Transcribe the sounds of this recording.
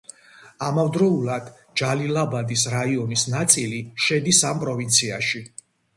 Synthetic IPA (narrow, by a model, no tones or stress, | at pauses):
amavd̪ɾɔulˠad̪̥ | d͡ʒalilˠabad̪isɾaiɔnisnat̪sʼiliʃɛd̪isampʼɾɔvint̪sʰiaʃi